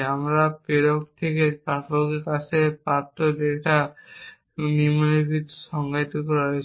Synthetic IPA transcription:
amɾapeɾok̚t̪ʰekepapokekat͡ɕʰepaɾt̪ːod̪eʈʰa | nimoneɾkitu̥ʃɔŋɡajt̪okɔɾaɦojt͡ɕʰ

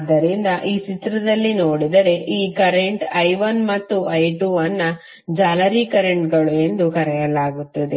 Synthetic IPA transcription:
d̪ːɐɾind̪ɐʔiːt͡ʃit̪ɾɐd̪ɐlːino̞ːɽid̪ɐɾe̞ʔiːkɐɾeɳʈɐjʋɐnmɐt̪ːuɐjʈuːɐnːɐ | d͡ʒaːlɐɾikɐɾeɳʈɡɐɭue̞nd̪ukɐɾɛjɐlaːɡut̪ːɐd̪e

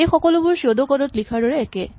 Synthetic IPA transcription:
ejxɔkolobuɹsod̪okɔɾot̪likʰaɹɾɔɹeɛke

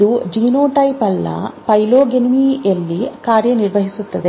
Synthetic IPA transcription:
ud͡ʒiːnoːʈɐjpɐlːɐ̰pɐjloːɡenmiːjɐlːikaːɾjɐniɾʋɐɦisut̪ːɐd̪e

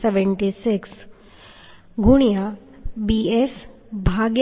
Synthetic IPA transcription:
seʋeɳʈisiks | ɡʱuɽ̃ija | bies | bʱaɡ

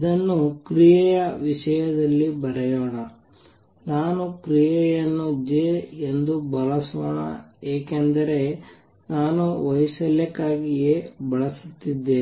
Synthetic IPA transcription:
id̪ɐnːukɾijɛjɐʋiʃɐjɐd̪ɐlːibɐɾɐjoːɳɐ | naːnukɾijɐjɐnːud͡ʒeend̪ubɐɭɐsoːɳɐ̰eːkend̪ɐɾe̞ | naːnuʋɐjsɐljɐkːaːɡijebɐɭɐsut̪ːid̪ːe

